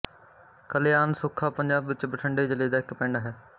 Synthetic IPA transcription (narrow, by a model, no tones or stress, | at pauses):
kəleːaːnsʊkʰːaːpəɲd͡ʒaːbʋɪt͡ʃbəʈʰəɳɖeːd͡ʒəleːd̪aːɪkpɛ̃ːɳɖaːɦɛː